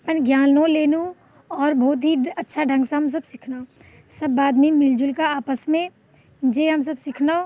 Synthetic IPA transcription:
pənɡjaːnːõleːnũ | ɔːɾbʱɔːt̪̬ɦiɐtːʃʰaɖʱɐ̃ŋɡsãɦɐms̬ɐbsɪkʰnao | sɐbːaːd̪mĩmɪld͡ʒʊlkaaːpəsmẽ | d͡ʒeːɦɐms̬ɐbsɪkʰnao

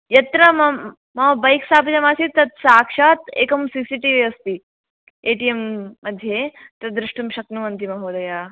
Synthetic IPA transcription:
jɐt̪ɾɐm | mɐʋbɐjksaːpd͡ʑɐmaːsit̪ɐt̪saːkʂaːt̪ḛːkɐmsisiʈiʋiɐst̪i | eʈiemːɐd̪ʱːjet̪ɐd̪ɾuʂʈumɕɐknuʋɐnt̪imɐɦoːd̪ɐja

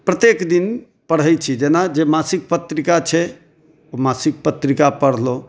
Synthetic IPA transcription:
pɾət̪ekd̪in | pəɽ̤ɦɛjt͡ʃʰid͡ʒenad͡ʒemasik̚pət̪ɾikat͡ʃʰɛ | omasik̚pət̪ɾikapəɽ̤lo

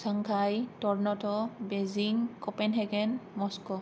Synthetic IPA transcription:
saŋkʰajtɔɹnɔtɔbeziŋkɔpɛnɦɛɡɛnmɔskɔ

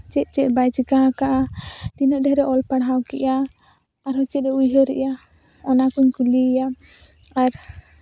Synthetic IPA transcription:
t͡ʃɛt̪̚t͡ʃɛbajt͡ʃikaɦakaʔat̪inəɖɛɦɾɛʔɔlpaɽɦawkɛ̰ʔaː | ɾɦɔt͡ʃɛt̪̚ɾɛujɦəɾɛ̰ʔja | ɔnakuɲkulija | aɾ

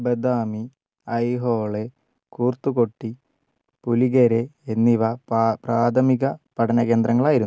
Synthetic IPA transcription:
bɐd̪aːmi | ɐjɦoːɭe | kuːrt̪ːuko̞ʈːi | puliɣɐɾeːnːiʋɐpraːt̪ʰɐmiɣɐpɐʈʰɐnɐɣe̞ːnd̪ɾɐŋːɐɭaːjiɾunː

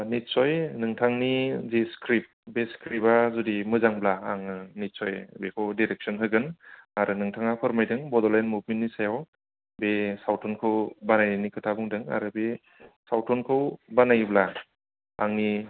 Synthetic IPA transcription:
nit̚sɔjnɯŋtʰaŋnizeskʰɾip̚beskʰɾipazudimɯzaŋblaːŋɯnit̚sɔjbekʰɯwdiɾek̚sɔnɦɯjɡɯnaɾɯnɯŋtʰaŋapʰɯɾmajdɯŋbɔdɔlajnmubmentːnisajaw | besawtʰɔnkʰɯwbanajnikʰɯtʰabuŋdɯŋa̰ɾɯbe | sawtʰɔnkʰɯwbanajbla | aŋni

